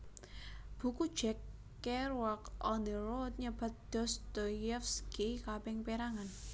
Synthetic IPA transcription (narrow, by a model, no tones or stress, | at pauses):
b̥ṳkud̥ʒ̥ɛkː | ɛrwakɔnd̪əɾot̪̚ɲəb̥a̤t̪̚d̪̥ɔ̤sd̪̥ɔjɛfsɡekabɛŋpeɾaŋan